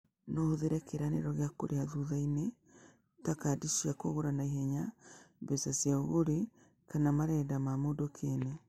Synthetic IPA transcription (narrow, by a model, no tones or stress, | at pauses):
nɔhoðeɾɛkʰeɾanḛɾɔɣeakoɾeaðuðaine | takadiʃiakoɣoɾanaiɦɛɲabesasjaoɣoɾe | kanamaɾɛːdamamodokʰenɛ